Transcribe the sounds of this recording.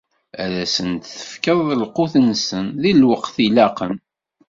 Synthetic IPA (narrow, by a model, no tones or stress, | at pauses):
æɾæsənt̪θə̥fkəðˤəlqʊθənsənðilwəqθilæqən